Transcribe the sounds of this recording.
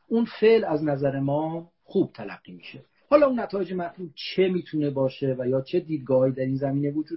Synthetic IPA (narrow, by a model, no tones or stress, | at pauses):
ʔunfeʔlæznæzæɾe̞mɒː | xuːb̥̚t̪ʰælæ̰ɡ̥ːiːmḭːʃe | hɒːlɒːunːæt̪ʰɒːjed͡ʒe̞mæɾt̪ʰuːb̚t͡ʃʰe̞miːt̪ʰune̞bɒːʃe̞væjɒːt͡ʃʰe̞d̪iːd̪̚ɡɒːhːiːd̪æɾinzæmiːne̞vod͡ʒuː